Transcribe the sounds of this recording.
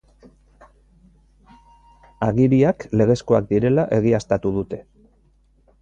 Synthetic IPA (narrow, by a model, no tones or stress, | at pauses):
aɣiɾiakle̞ɣ̞e̞sko̞ak̚d̪iɾe̞laʔe̞ɣ̞iast̪at̪uðut̪e̞